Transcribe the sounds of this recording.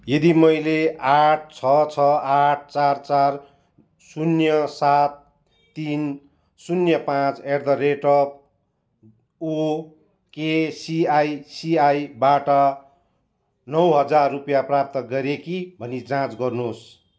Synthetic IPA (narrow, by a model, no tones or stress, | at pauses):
jʌd̪imʌjleaʈ̚ʰt͡sʰʌt͡sʰʌaʈ̚ʰt͡sart͡sar | sunjʌsat̪̚ː | in | sunjʌpãt͡serd̪ʌreʈʌp̚ | o | kesiajsiajbaʈʌ | nʌwɦʌd͡zarːupjaprap̚t̪ʌɡʌɾekibʱʌnit͡sãt͡sɡʌrnus